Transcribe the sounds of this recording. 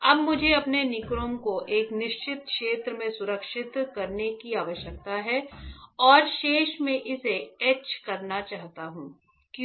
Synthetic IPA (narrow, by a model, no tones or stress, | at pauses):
ɐbmʊd͡ʒʱeɐpnenɪkɾõːmkoʔeːknɪʃt͡ʃɪt̪kʃeːt̪ɾəmẽsʊɾəkʃɪt̪kɐɾnekiaːʋəʃjək̚t̪aɦɛːɔːɾʃeːʃmẽʔɪseɛːt͡ʃkɐɾnat͡ʃaːɦt̪aɦũː | k